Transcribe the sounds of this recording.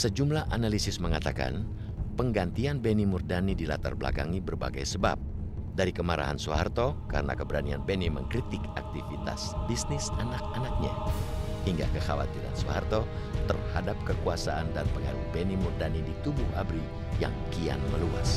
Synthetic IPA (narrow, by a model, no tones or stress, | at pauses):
səd͡ʒumlahanalisɪsməŋat̪aka̰n | pəŋɡant̪ianbenimurdanidilat̪arbəla̰kaŋibərba̰ɡajsəba̰p̚ | daɾikəmaɾa̰ɦa̰nsuha̰rt̪okaɾəna̰kəbəɾanianbɛniməŋkɾit̪ɪkak̚t̪ifit̪a̰sbisnɪsanak̚anak̚ɲa̰hiŋɡa̰kəxawa̰t̪iɾa̰nsuha̰rt̪o | t̪ərhadap̚kəkuasaʔandanpəŋaɾubenimurdanidit̪ubuha̰bɾi | ja̰ŋkia̰nməlua̰s